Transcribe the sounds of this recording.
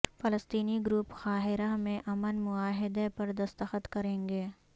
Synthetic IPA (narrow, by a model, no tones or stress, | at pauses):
fɐləst̪iːniɡɾuːpxaːɦɪɾamẽʔɐmənmʊaːɦɪd̪epɐɾd̪ɐst̪əxət̪kɐɾẽːŋɡeː